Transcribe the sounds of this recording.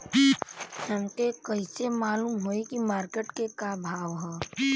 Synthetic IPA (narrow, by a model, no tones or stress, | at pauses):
həmkekəɪsemaːluːmɦoikimaːɾkeʈkekabʱaːʋɦɛ